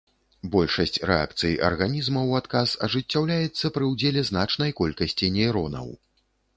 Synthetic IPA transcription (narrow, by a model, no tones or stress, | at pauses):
bɔlʲʂɐsʲt͡sʲrɛ̰a̰kt̪sɨjʔɐ̰rɣanʲizmɐwat̪kasɐʐɨt͡sʲːawlʲajɛt̪sːɐpɾɨwd͡zʲɛlʲɛznat͡ʂnɐjkɔlʲkɐsʲt͡sʲinʲɛjɾɔnɐ̰w